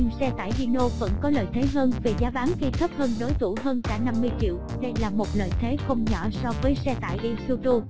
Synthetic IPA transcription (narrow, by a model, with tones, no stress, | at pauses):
ɲɨ˧ŋsɛ˧t̪a̰ː˧˨jɗi˧no˧və̰˧˥nkɔ˨˦lə̰ː˧˨jt̪ʰe˨˦ɦəː˧nve˨˩zaː˨˦ɓaː˨˦nxi˧t̪ʰə˦˥p̚həː˧nɗo˨˦jt̪ʰu˧˩ɦəː˧nkaː˧˩na˧mːɨ˧əjt͡ɕḭ˧˨əw | ɗe˧jlaː˨˩mo˨˩t̚lə̰ː˧˨jt̪ʰe˨˦xə˧wŋ͡mɲɔ˧˩˨sɔ˧vəː˨˦jsɛ˧t̪a̰ː˧˨jʔi˧su˧t̪u˧